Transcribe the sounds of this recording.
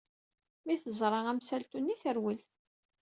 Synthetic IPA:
miθəzˤɾˤɑʁæmsælt̪unːiθəɾwəl

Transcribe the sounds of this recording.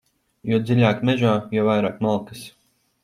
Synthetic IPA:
jɔd̪zilʲaːkmɛʒaːjɔwvajɾaːkmalˠkɨs

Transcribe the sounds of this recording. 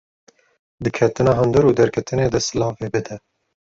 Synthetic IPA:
d̪ɨkʰɛt̪ɨnɑːɦɨnd̪ɨɾuːd̪ɛɾkʰɛt̪ɨneːd̪ɛsɨlɑːfeːbɨd̪ɛ

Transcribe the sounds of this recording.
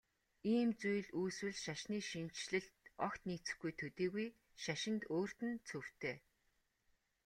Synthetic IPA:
iːmt͡sujɮuːswɘ̆ɮʃaʃniːʃin̥t͡ɕɮɘ̆ɬt̪ɔkt̪niːt͡sɘ̆xɡujt̪ʰɵt̪iːɣuj | ʃaʃɪ̆nt̪oːr̥t̪ɘ̆nt͡sʰɵw̥t̪ʰeː

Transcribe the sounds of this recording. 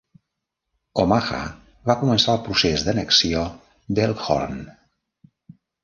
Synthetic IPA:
omaxa̰ | βakumənsaəlˠpɾusezd̪ənəksio | d̪elˠxɔ̰ɾn

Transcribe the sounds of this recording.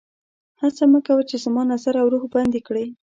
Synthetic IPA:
hasaməkawət͡ʃezəmɑnazaɾawɾuxband̪ekɽəj

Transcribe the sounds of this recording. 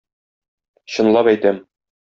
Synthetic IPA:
ɕɤ̆nlˠɑpæjt̪æm

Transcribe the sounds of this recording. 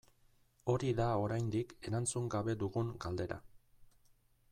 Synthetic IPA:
o̞ɾiðao̞ɾajnd̪ike̞ɾant͡suŋɡaβe̞d̪uɣuŋɡald̪e̞ɾa̰

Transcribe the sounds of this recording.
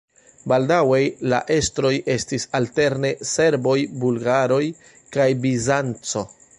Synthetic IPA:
baldawe̞jla̰ʔe̞stɾo̞jʔe̞stisalte̞ɾne̞se̞ɾbo̞jbulɡaɾo̞j | kajbizant͡so̞

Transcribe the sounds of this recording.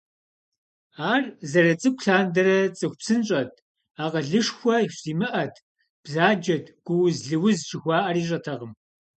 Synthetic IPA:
aːrzɐɾɐt͡sʼɨkʷʰɬaːndɐɾɐt͡sʼɨxʷpsɨnɕʼɐt̚ʰ | aːqɐɮɨʂxʷɔiɕʷziːmɨʔɐtʰ | b̥zaːd͡ʒɐdɡ̥ʷʊwzɮɨwʊzt͡ʃɪxʷɑːʔɐɾiːɕ̬ʼɐtʰɐʁəm

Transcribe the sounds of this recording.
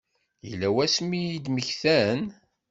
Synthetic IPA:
jəlːæwæsmijid̪məçθæn

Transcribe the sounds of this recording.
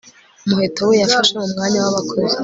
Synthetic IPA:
muhetawejafaʃeumŋaːɲawaβakʰozi

